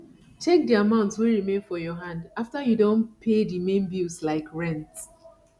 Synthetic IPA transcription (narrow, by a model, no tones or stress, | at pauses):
t͡ʃɛk̚diamãʊ̃ntswiɹimẽnfɔjɔɦãndaftajudõnpʰedimẽnbilslaɪkɹɛ̃nt